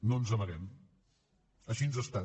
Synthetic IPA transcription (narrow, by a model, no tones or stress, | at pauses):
nonzəməɾɛm | əʃinzəst̪a